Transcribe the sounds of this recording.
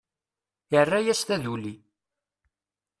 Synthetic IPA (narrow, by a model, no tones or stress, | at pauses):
jərːæjæst̪ænuli